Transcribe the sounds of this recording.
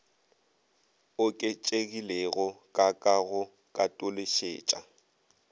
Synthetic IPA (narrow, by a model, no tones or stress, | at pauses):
ʊkʼɪt͡ʃʼeɣilɛɣɔkʼakʼaɣʊ | kʼatʼʊleʃḛːt͡ʃʼa